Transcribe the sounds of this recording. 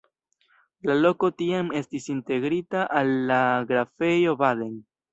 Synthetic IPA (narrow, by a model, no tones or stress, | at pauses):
lalo̞ko̞tiame̞stisinte̞ɡɾitaʔalːaɡɾafe̞jo̞bade̞n